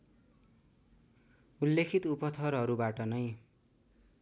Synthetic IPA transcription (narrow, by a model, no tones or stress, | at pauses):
ulːekʰit̪upʌt̪ʰʌɾɦʌɾubaʈʌnʌj